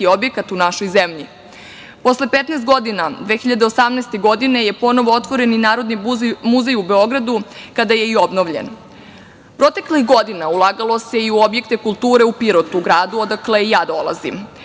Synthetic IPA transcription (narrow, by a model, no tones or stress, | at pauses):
io̞bje̞kat̪unaʃo̞jzemʎi | po̞sle̞pet̪nɛst̪ɡo̞d̪inad̪ʋexiʎad̪eosamnɛːst̪e̞ɡo̞d̪ine̞je̞po̞no̞ʋoot̪ʋo̞ɾe̞ninaːɾod̪nimuzejube̞o̞ɡɾad̪ukad̪aje̞io̞bnoʋʎḛn | pɾot̪e̞klixɡo̞d̪inaulˠaːɡalˠo̞se̞iuo̞bje̞k̚t̪e̞kulˠt̪uːɾe̞upiɾot̪uɡɾaːd̪uo̞d̪akleijaːd̪o̞lˠa̰zḭm